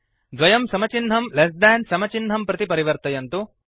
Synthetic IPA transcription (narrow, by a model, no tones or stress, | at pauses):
d̪ʋɐjɐmsɐmɐt͡ʃinɦɐmles̬d̪æːnsɐmɐt͡ʃinɦɐmpɾɐt̪ipɐɾiʋɐɾt̪ɐjɐnt̪u